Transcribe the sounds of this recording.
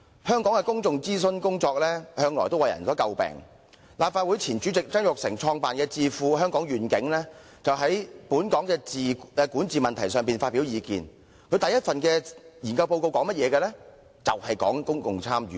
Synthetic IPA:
hœː˥ŋkɔː˨˥ŋkɛ˧kʊ˥ŋkʊ˨ŋt͡siː˥s̬ɵ˥nkʊ˥ŋt͡sɔː˧k̚lɛː˥hœː˥ŋlɔː˨˩jt̪o˥wɐ˨jɐ̰˨˩nsɔː˨˥kɐ˧wpɛ̰ː˨˩ŋ | laː˨p̚fa˧t̚wuː˨˥jt͡sʰiː˨˩nt͡ʃyː˨˥t͡sɪ˨k̚t͡sɐ˥ŋjʊ˨k̚sɪ̰˨˩ŋt͡ʃʰɔː˧ŋpaː˨nkɛː˧t͡siː˧fuː˨˧ɦœː˥ŋkɔː˨˥ŋɥyː˨˩nkɪ˨˥ŋlɛː˥ | t͡sɐ˨wɦɐ˨˥jpuː˨˥nkɔː˨˥ŋkɛː˧t͡siː˨˧ɛ˨˧kuː˨˥nt͡siː˨˩mɐ˨nt̪ʰɐ˨˩jsœː˨ŋpiː˨nfaː˧t̚pːi˨˥wjiː˨˧kḭː˨n | kʰɵ˨˧ɥt̪ɐ˨jɐ˥t̚fɐ˨nkɛː˧jiː˨˩nkɐ˧wpo˧wko˧wkɔː˨˥ŋmɐ˥t̚jɛː˨˧kɛː˧lɛː˥ | t͡sɐ˨whɐ˨jkɔː˨˥ŋkʊ˥ŋkʊ˨ŋt͡sʰaː˥mjy̰ː˨

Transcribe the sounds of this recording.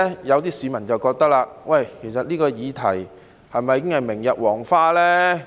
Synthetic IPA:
jɐ˨˧wt̪iː˥siː˨˧mɐ˨˩nt͡sɐ˨wkɔː˧k̚t̪ɐ˥k̚laː˧wɐ˨˩jkʰe˨˩jsɐ˨t̚liː˥kɔː˧jiː˨˧t̪ʰɐ˨˩j | hɐ˨jmɐ˨jːkɪ˥ŋhɐ˨jmɪ˨˩ŋjɐ˨t̚wɔː˨˩ŋfaː˥lɛː˥

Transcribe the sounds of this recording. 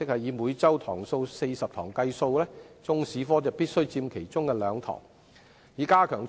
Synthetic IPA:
ɪ˥k̚hɐ˨jiː˨˧muː˨˧jt͡sɐ˥wt̪ʰɔː˨˩ŋso˧wse˧jsɐ˨p̚t̪ʰɔ̰ː˨˩ŋkɐ˧jso˧wlɛː˥t͡sʊ˥ŋsiː˨˥fɔː˥t͡sɐ˨piː˥t̚sɵ˥ɥt͡siː˧mkʰe˨˩jt͡sʊ˥ŋkɛː˧lœː˨˧ŋt̪ʰɔ̰ː˨˩ŋ | jiː˨˧˥kaː˥kʰœː˨˩ŋ

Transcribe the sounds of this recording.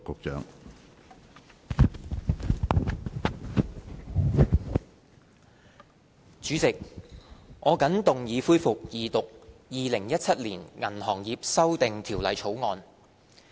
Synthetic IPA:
kʊ˨˧k̚t͡ʃœ̰ː˨˥ŋ | t͡syː˨˥t͡sɪ˨k̚ | ʔɔː˨˧kɐ˨˥ŋt̪ʊ˨ŋjiː˨˧fuː˥jfʊ˨k̚jiː˨t̪ʊ˨k̚jiː˨˧lɪ˨˩ŋjɐ˥t̚t͡sʰɐ˥t̚liː˨˩nŋɐ˨˩nhɔː˨˩ŋjiː˨p̚sɐ˥wt̪ɪ˨ŋt̪ʰiː˨˩wlɐ˨˧jt͡ʃʰo˨˥wŋɔː˧n

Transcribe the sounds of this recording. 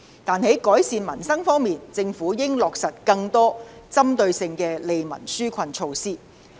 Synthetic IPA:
t̪aː˨nhe˨˥jkɔː˨˥jsiː˨˧nmɐ˨˩nsɐ˥ŋfɔː˥ŋmiː˨nt͡sɪ˧ŋfuː˨˥jɪ˥ŋlɔː˨k̚sɐ˨t̚kɐ˧ŋt̪ɔː˥t͡sɐ˥mt̪ɵ˧ɥsɪ˧ŋkɛː˧le˨jmɐ̰˨˩nsyː˥kʷʰɐ˧nt͡ʃʰo˧wsiː˥

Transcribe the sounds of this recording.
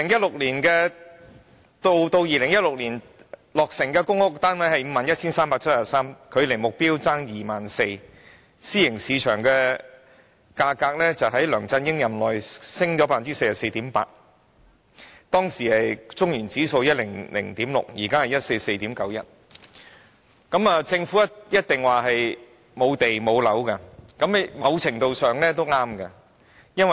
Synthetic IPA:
i˧lɪ˨˩ŋjɐ˥t̚lʊ˨k̚liː˨˩nkɛː˧ | t̪o˧wt̪o˧wjiː˨˧lɪ˨˩ŋjɐ˥t̚lʊ˨k̚liː˨˩n | lɔː˨k̚sɪ˨˩ŋkɛː˧kʊ˥ŋhʊ˥k̚t̪aː˥nwɐ˨˥jhɐ˨jm̩˨˧maː˨njɐ˥t̚t͡sʰiː˥nsaː˥mpaː˧k̚t͡sʰtsa˨˩saː˥mkʰɵ˨˧ɥle˨˩jmʊ˨k̚piː˥wt͡saː˥ŋjiː˨maː˨nse˧j | siː˥jɪ˨˩ŋsiː˨˧t͡ʃʰœː˨˩ŋkɛː˧ | kaː˧kaː˧k̚lɛː˥t͡sɐ˨wɦɐ˨˥jlœː˨˩ŋt͡sɐ˧njɪ˥ŋjɐ˨mlɔː˨jsɪ˥ŋt͡sɔ˨˧˥paː˧˥˨t͡si˥se˧jsɐ˨se˧jt̪iː˨˥mpa̰ː˧t̚ | t̪ɔː˥ŋsiː˨˩hɐ˨jt͡sʊ˥ŋjiː˨˩nt͡siː˨˥so˧wjɐ˥t̚lɪ˨˩ŋlɪ̰˨˩ŋt̪iː˨˥mlʊ̰˨k̚jḭː˨˩kaː˥hɐ˨˩jɐ˥t̚se˧jse˧jt̪iː˨˥mkɐ˨˥wjɐ˥t̚ | kɐ˨˥mɐː˨t͡sɪ˧ŋfu˨˥jɐ˥jɐ˥t̚t̪ɪ˨ŋwaː˨ɦɐ˨j | mo˨˧wt̪e˨jmo˨˧wlɐ˨˥wkɐ˧kɐ˨˥m˨mɐ˨˧wt͡sʰɪ˨˩ŋt̪o˨˧wsœː˨˩ŋlɛː˥t̪o˥wŋaː˥mkɐ˧ | jɐ˥nwɐ˨

